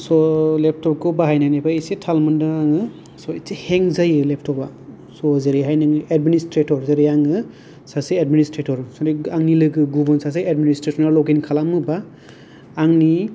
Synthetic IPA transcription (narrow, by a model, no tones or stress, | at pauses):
sɔlep̚tʰɔp̚ɡɔbaɦajnajnabaisetʰalmɯndɯaŋɯ | sɔit͡ʃeheŋzajɯlep̚tʰɔba | sɔzeɾeɦajnɯŋɯedministɾetɔɾzeɾejaŋɯ | saseadministɾetʰɔɾsɔneaŋnilɯɡɯɡubɯnsas̬eedministɾesɔnaɾlɔɡenkʰalamɯbaː | ŋni